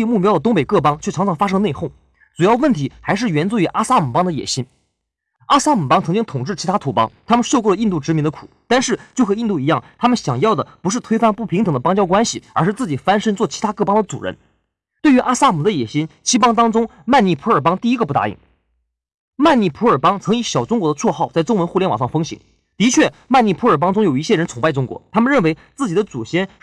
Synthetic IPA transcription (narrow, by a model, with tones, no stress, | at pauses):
i˥˧mu˥˩pjʊd̪ə˩t̪ʊ˥ŋpe˨˩ɪkɤ˥˩pɑ˥ŋt͡ɕʰɥɛ˥˩ɑ˧˥ŋʈ͡ʂʰɑ˧˥ŋfa˥ʂ̬ɤ˥ŋne˥˧ɪxo˥˩ʊ | ʈ͡ʂu˨˩jɑ˥˧ʊwə˥˩nt̪ʰi˧˥xa˧˥ɪʂ̬ɻ̩˥˩ɥɛ˧˥nt͡swu˥y˧˥ʔa˥sa˥mu˨˩pɑ˥ŋd̪ə˧jɛ̰˨˩ɕi˥n | a˥sa˥mu˨˩pɑ˥ŋt͡sʰɤ˧˥ŋt͡ɕi˥ŋt̪ʰʊ˨˩ŋʈ͡ʂɻ̩˥˩t͡ɕʰi˧˥t̪ʰa˥t̪ʰu˧˥pɑ̰˥ŋt̪ʰa˥mə˨nʂo˥˧ʊkwɔ˥˩lə˩i˥˧nt̪u˥˩ʈ͡ʂɻ̩˧˥mi˧˥nd̪ə˧kʰu̥̰˨˩˦t̪a˥˧nʂɻ̩˥˩t͡ɕjo˥˩ʊkxʰɤ˧˥i˥˧nt̪u˥˩i˧˥jɑ˥˩ŋt̪ʰa˥mə˨nɕjɑ̰˨˩ŋjɑ˥˩ʊd̪ə˩pu˧˥ʂɻ̩˥˩t̪ʰwe˥ɪfa˥˧npu˥˩pʰi˧˥ŋt̪ɤ˨˩ŋd̪ə˦pɑ˥ŋt͡ɕjɑ˥ʊkwa˥nɕi˨˩ə˞˧˥ʂɻ̩˥˧t͡sɹ̩˥˩t͡ɕi˨˩fa˥nʂə˥nt͡swɔ˥˩t͡ɕʰi˧˥t̪ʰa˥kɤ˥˩pɑ˥ŋd̪ə˨t͡sṵ˨˩ɻə̰˧˥n | t̪we˥˩ɪy˧˥ʔa˥sa˥mu˨˩d̪ə˦jɛ˨˩ɕi˥nt͡ɕʰi˥pɑ˥ŋt̪̬ɑ˥ŋʈ͡ʂʊ˥ŋ | ma˥˧ni˥˩pʰu˧˥ə˞˨˩pɑ˥ŋt̪i˥˩i˥ɡə˧pu˥˩a̰˥ḭ˥˩ŋ | ma˥˧ni˥˩pʰu˧˥ə˞˨˩pɑ˥ŋt͡sʰɤ˧˥ŋi˧˥ɕjɑ˨˩ʊʈ͡ʂʊ˥ŋkwɔ˧˥d̪ə˧t͡sʰwɔ˥˧xɑ˥˩ʊt͡sa˥˩ɪʈ͡ʂʊ˥ŋwə˧˥nxu˥˩ljɛ˥˩nwɑ̰˨˩ʂɑ˥˩ŋfɤ˥ŋɕḭ˧˥ŋ | t̪i˧˥t͡ɕʰɥɛ˥˩ma˥˧ni˥˩pʰu˧˥ə˞˨˩p̬ɑ˥ŋʈ͡ʂʊ˥ŋjo˨˩ʊi˥˩ɕjɛ˥˩ɻə˧˥nt͡sʰʊ˨˩ŋpa˥˩ɪʈ͡ʂʊ˥ŋkwɔ̰˧˥t̪ʰa˥mə˨˧ɻə˥˩nwe˧˥ɪt͡sɹ̩˥˩t͡ɕi˨˩d̪ə˦t͡su˨˩ɕjɛ˥n